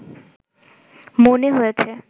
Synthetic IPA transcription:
moneɦojet͡ɕʰe

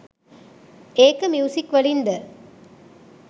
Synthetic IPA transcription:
eːkɐmjuːsikːʋɐɭind̪ɐ

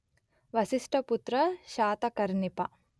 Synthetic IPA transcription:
ʋɐsiʂʈʰɐput̪ɾɐʃaːt̪ɐkɐɾnipɐ

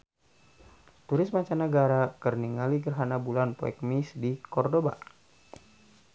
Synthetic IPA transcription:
t̪uɾɪsmaɲt͡ʃanəɡaɾakərniŋaliɡərɦanabulanpo̰ɛ̰k̚misdikɔrdoba̰

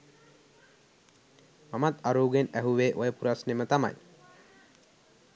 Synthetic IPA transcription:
mamat̪aɾuːɡenæɦuʋeːʔojəpuɾasnemət̪ama̰j

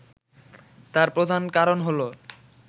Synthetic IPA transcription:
t̪aɾpɾod̪ʱankaɾonɦolo

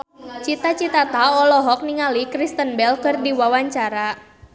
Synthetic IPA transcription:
t͡ʃit̪at͡ʃit̪at̪aɔlɔɦɔk̚niŋalikɾist̪ənbɛlkɨrdiwawaɲt͡ʃaɾa

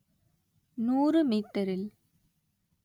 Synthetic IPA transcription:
nuːrɯmiːt̪ːɐɾɪl

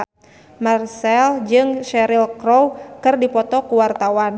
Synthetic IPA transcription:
marsɛld͡ʒɨŋʃɛɾilkɾɔwkɨrdipɔt̪ɔkuwart̪awan

